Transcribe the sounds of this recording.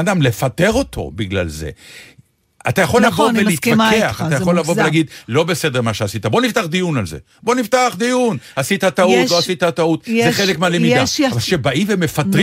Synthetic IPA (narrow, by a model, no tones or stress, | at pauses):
d̪amle̞fat̪e̞ʁo̞t̪ʰo̞̰biɡla̰lze̞̰ | a̰t̪ajaχo̞lːavo̞velit̪akeaχat̪ajaolːavoelaɡid̪lo̞bese̞d̪eʁmaʃeasit̪abo̞nift̪aχd̪ijunalze̞̰ | bo̞niftaχd̪ijunasit̪at̪autloasit̪at̪aut̪zeχelekmalemid̪aavalʃebaʔimveme̞fat̪ʁ